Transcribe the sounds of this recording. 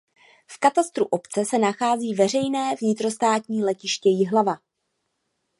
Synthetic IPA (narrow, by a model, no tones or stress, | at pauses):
fkat̪ast̪ɾuʔo̞pt͡sɛsɛnaxaːziːvɛr̝ɛjnɛːvɲɪt̪ɾo̞st̪aːt̪ɲiːlɛcɪʃcɛjɪɦlava